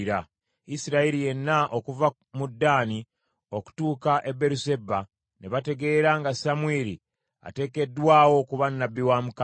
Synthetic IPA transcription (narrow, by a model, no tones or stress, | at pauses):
ɾa | isiɾaiɾije̞nːaʔo̞kuva | mudːaːni | o̞ku̥tuːkaʔe̞bːe̞ɾuse̞bːa | neβate̞ɡe̞ːɾaŋɡasamweːɾi | a̰te̞ːke̞dːwaːwo̞kuβanːabːiwamuk